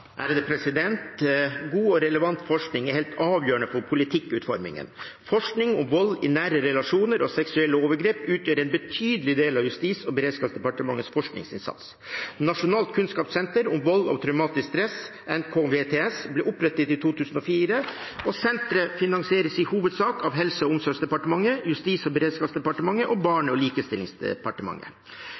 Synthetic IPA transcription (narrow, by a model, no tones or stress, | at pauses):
ʔæ̰ɾd̪ɛpʰɾɛsɪd̪ɛnt̪ɡuːɔɾɛləʋɑnt̪fɔʂknɪŋɛɾhɛːlt̪ɑːʋjøːəɳəfɔɾpʰʊlɪt̪ʰɪkːʉːt̪fɔɾmɪ̰ŋə̰n | fɔʂknɪŋʊ̰mʋɔlːɪnæːɾəɾɛlɑʂuːnəɾɔsɛksʉɛlːəoːʋəɾɡɾeːpʉːt̪ʰjøːɾɛɪnbət̪ʰyːd̪əlɪd̪eːlɑʋjʉst̪iːsɔbəɾeːd̪skɑːpsd̪ɛpɑʈəmɑŋːəsfɔʂknɪ̰ŋsɪ̰nsɑ̰t̪s | nɑʂʊnɑːlt̪̚kʰʉnskɑːpsɛnt̪əɾʊmʋɔlːɑ̰ʋt̪ʰɾœʉmɑːt̪ɪskst̪ɾɛs | ɛnkʰoːʋet̪ʰeːɛsbliːʔʊpɾɛt̪ːət̪ɪt̪ʰuːt̪ʰʉːsn̩ɔfiːɾəɔsɛnt̪ɾəfɪnɑŋsɪeːɾəsɪhuːʋəd̪sɑːkɑʋɦɛlsəɔʊmsɔːsd̪ɛpɑʈəmɑŋːəjʉst̪iːsɔbəɾeːd̪skɑːpsd̪ɛpɑʈəmɑŋːəʔɔbɑːɳəɔliːkəst̪ɪlːɪŋsd̪ɛ̰pɑʈəmɑ̰ŋːə̰